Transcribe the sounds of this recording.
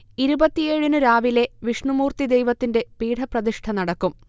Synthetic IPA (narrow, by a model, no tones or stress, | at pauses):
iɾubɐt̪ːijeːɻunɨɾaːʋile̞ʋiʂɳumuːrt̪id̪ejʋɐt̪ːinde̞piːɽʰʱɐprɐd̪iʂʈʰɐnɐɽɐkːum